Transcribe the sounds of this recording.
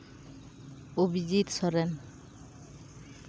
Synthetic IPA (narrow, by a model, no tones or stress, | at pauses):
obid͡ʒit̪sɔɾen